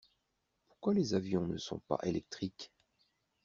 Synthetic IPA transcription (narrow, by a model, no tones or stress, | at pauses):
pu̥ʁkwalezavjɔ̃nəsɔ̰̃pa̰ʔelɛk̚t̪χik